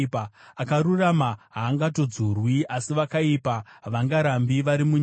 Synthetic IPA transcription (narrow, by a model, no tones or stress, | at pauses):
akaɾuramaɦaːŋɡat̬o̞d͡zurwiʔasiʋakaipaʋaŋɡaɾambiʋaɾimuɲ